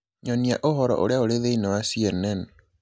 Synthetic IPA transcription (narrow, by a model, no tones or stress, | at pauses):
ɲɔniaʔohɔɾɔ̰ʔo̰ɾeaoɾeðeinɛwasiɛnɛn